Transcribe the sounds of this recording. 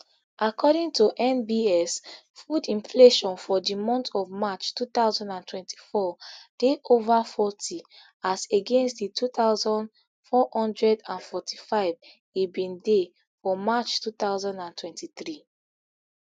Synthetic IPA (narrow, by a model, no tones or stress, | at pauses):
ʔakʰɔɾĩŋtuʔɛ̃nbiɛs | fudĩɱfleʃɔ̃nfɔdimɔ̃ntʰɔvmat͡ʃtut̪aʊzɔ̃ndãntʰwɛ̃ntʰi̥fɔd̥eʔovafɔtʰi | aseɡẽnstditʰutaʊzɔ̃nd | fɔhɔ̃ndɹɛdãnfɔtʰi̥faɪv | ibĩnde | fɔmat͡ʃtut̪aʊzɔ̃ndãntʰwɛ̃ntiθɹi